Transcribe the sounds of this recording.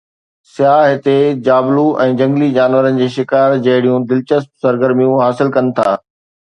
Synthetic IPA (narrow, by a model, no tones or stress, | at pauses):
sjaːɦɪt̪ed͡ʑaːbluʔɛ̃ːd͡ʑɐ̃ŋɡlid͡ʑaːnʋəɾənɪ̆d͡ʑeːʃɪkaːɾd͡ʑɐɦɪɽijũd̪ɪlt͡ɕəsp̚sɐɾɡəɾmijũɦaːsɪlkɐnɪ̆t̪ʰa̰ː